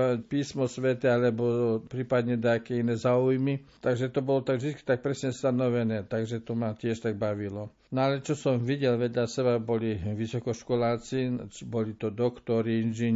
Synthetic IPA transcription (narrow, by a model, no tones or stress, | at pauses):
piːsmɔsʋɛt̪ɛalɛbɔpɾiːpad̪ɲɛd̪ɛakɛinɛːzaːujmit̪aɡʒɛt̪ɔbɔlɔt̪aɡʒd̪itt͡ski̥t̪ak̚pɾɛsɲɛst̪anɔʋɛnɛːt̪aɡʒɛt̪ɔmacɪɛʃt̪aɡ̚baʋilɔ | nɔalɛt͡ʃɔsɔmʋiɟɛlʋɛd̪ʎasɛbabɔliʋisɔkɔʃkɔlaːt͡sit͡ʃbɔlit̪ɔd̪ɔkt̪ɔɾiinʒiɲ